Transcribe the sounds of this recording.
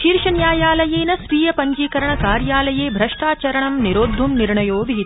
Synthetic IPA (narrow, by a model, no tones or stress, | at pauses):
ʃiːɾʂɐnjaːjaːlɐjeːnɐsʋiːjɐpɐɲd͡ʒiːkɐɾɐɳɐkaːɾjaːlɐjeːbʱɾɐʂʈaːt͡ʃɐɾɐɳɐmniɾoːd̪ʱːumniɾɳɐjoːʋiɦit̪